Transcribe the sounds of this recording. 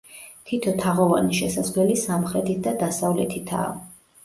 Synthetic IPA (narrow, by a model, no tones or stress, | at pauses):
t̪ʰit̪ʰɔt̪ʰaʁɔva̰niʃɛsad̪zlɛlisamχɾɛt̪ʰit̪̚ʰd̪ad̪asavlɛt̪ʰit̪ʰa̰